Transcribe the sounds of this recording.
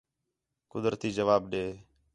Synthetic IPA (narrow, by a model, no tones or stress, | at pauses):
kʊd̪ɾət̪iːd͡ʒəʋaːbɗeː